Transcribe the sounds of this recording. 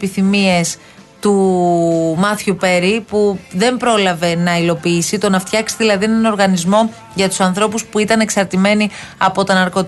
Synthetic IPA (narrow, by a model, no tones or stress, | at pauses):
piθimie̞s | t̪u | mɐθçupe̞ɾipuðe̞mbɾo̞lɐve̞nɐilo̞piːsit̪o̞nɐft̪çɐksi̥ðilɐðienɐno̞ɾɣɐnizmo̞ | ʝɐt̪u̥sɐnθɾo̞puspuit̪ɐne̞ksɐɾt̪ime̞ni | ɐpo̞t̪onɐɾko̞t̪